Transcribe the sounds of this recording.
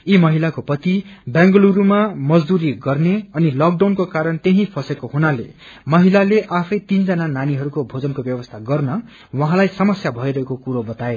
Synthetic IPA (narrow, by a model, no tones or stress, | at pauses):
imʌɦilakopʌt̪ibjãŋɡʌluɾumamʌd͡zd̪uɾiɡʌrneʌnilʌk̚ɖawnkokaɾʌnt̪eɦĩpʰʌsekoɦunale | mʌɦilaleʔapʰʌjt̪ind͡zʌnananiɦʌɾukobʱod͡zʌnkobjʌwʌst̪ʰaɡʌrnʌ | wʌɦãlajsʌmʌsjabʱʌiɾʌɦekokuɾobʌt̪ae